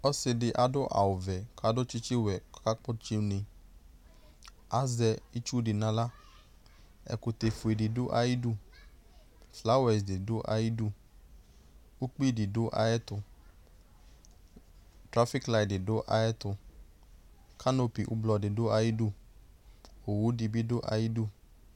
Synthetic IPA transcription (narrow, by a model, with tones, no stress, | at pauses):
ɔ˦sɪ˧dɪ˧ʔa˨dʊ˦ʔa̰˨wʊ˨vɛ˨ka˨˦dʊ˦t͡ʃi˦t͡ʃi˦wɛ˨kɔ̥˦ka˦k͡pɔ˦t͡ʃi˧nɪ̃˧ | a˨˦zɛ˧i˦t͡ʃu˦dɪ˨nã˧la˦ | ɛ̰˧kʊ˧te˨fʊ˨e˨dɪ˨dʊ˦ʔa̰˧˨ji˦du˦˨ | fla˦wɛ˨sdɪ˨dʊ˦ʔa̰˨ji˦du˦˨ | u˦k͡pi˦˨di˨do˨˦ʔa̰˧˦ɛ˦tʊ˧ | tɾa˦fi˦kla˧jdi˨do˦ʔa̰˧ɛ˦tʊ˧ | kʰa˦no˧pi˨ʔṵ˦blɔ˧di˨do˦a˧ji˦du˦˨ | o˨wu˨˦di˧bi˦do˦ʔa̰˧ji˦du˦˨